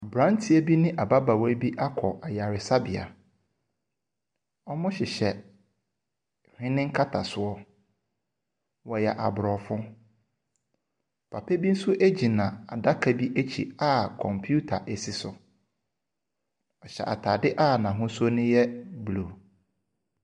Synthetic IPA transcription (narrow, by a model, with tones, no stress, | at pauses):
a˨bɾã˦n˦tʰi˦e˦bi˦nɪ̃˦ʔa˨ba˦ba˨wa˦bi˦ʔa˦kʰɔ˨ʔa˨ja˨ɾɪ˨sa˦bɪ˨a̰˨ | ɔ˦mʊ̃˦ɕɪ˨ɕɛ˨ | hᶣɪ̃˦nɪ̃˦ŋ̩˦kʰa˦tʰa˨sʊ˦ɔ˦ | wɔ˨jɛ˨ʔa̰˨bʊ˨ɾɔ˨fʊ̃˦ | pʰa˨pʰe˦bi˦n̩˦sʊ˦ʔe˦d͡ʑi˨nã˨a˨da˦kʰa˨bi˦ʔe˦t͡ɕʰḭ˨a˦˨kʰɔ̃˨mpʰju˦tʰa˨ʔe˨si˦sʊ˨ | ɔ˨ɕɛ̰˨ʔa̰˨tʰa˨dɪ˦ʔa˦˨nã˨ɦʊ̃˦sʊ˦ɔ˦nɪ̃˦jɛ˦bluː˨